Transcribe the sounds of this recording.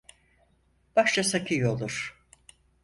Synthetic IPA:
b̥aʃt͡ʃasakʰɯjolˠuɾ̥

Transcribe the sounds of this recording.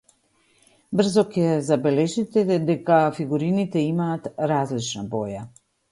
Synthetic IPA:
br̩zɔkɛzabɛlɛʒit̪ɛd̪ɛkafiɡuɾinit̪ɛimaːt̪ɾazlit͡ʃnabɔja

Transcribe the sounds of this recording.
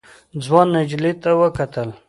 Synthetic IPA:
d͡zwɑnːad͡ʒlit̪awəkat̪əl

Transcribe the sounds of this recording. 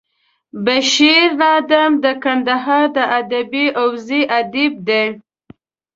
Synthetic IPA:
baʃiɾnɑd̪amd̪əkand̪aɦɑɾd̪əʔad̪abiʔawziʔad̪ib̚d̪e

